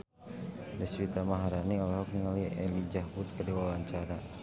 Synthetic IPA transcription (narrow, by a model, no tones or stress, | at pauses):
dɛswit̪amaɦaɾaniɔlɛɦɔk̚niŋaliɛlid͡ʒahbut̪̚kadiwawaɲt͡ʃaɾa